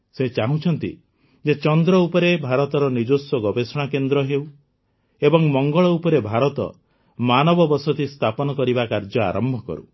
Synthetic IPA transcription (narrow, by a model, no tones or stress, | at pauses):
set͡ʃaɦũt͡ʃʰɔnt̪ḭ | d͡ʒet͡ʃɔnd̪ɾɔupɔɾebʱaɾɔt̪ɔɾɔnid͡ʒosɔɡɔbesɔɽ̃akend̪ɾɔɦew | ebɔŋmɔŋɡɔɭɔupɔɾebʱaɾɔt̪ɔ̰ | manɔbɔbɔsɔt̪ist̪ʰapɔnɔkɔɾibakaɾd͡ʒɔa̰ɾɔmbʱɔkɔ̰ɾṵ